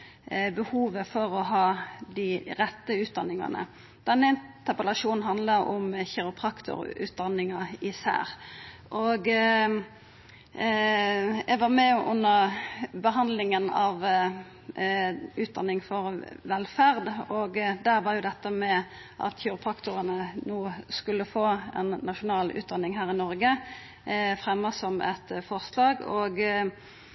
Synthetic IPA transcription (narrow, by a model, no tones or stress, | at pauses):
bəhuːʋəfɔʁɔɦɑːd̪ɪɾɛt̪ːəʉːt̪̚d̪ɑnːɪŋɑ̰nə̰ | d̪̥ɛnːəɪnt̪əʁpəlɑʂuːnn̩ɦɑnd̪ləʔʊ̰mçɛɾʊpʰʁɑkt̪ʊ̰ɾʉ̰ːt̪̚d̪ɑnːɪŋɑɪsæ̰ːɾ | ʔoɡ | ʔɛɡʋɑʁmɛʔʊ̰nːəʁbəɦɑnd̪lɪŋənɑʋ | ʉːt̪̚d̪ɑnːɪŋfɔʁʋɛlːfæʁd̪ɔɡd̪æʁʋɑʁjʊd̪ɛt̪ːəmɛ | ʔɑ̰t̪çuʁpʰɑkt̪ʊʁənənuːskʉlːəfoːɛ̰nːɑʃʊnɑːlʉ̰ːt̪̚d̪ɑnːɪŋɦæːʁɪnɔɾɡə | fʁɛmːəsɔmɛ̰t̪fɔʁslɑːɡɔɡ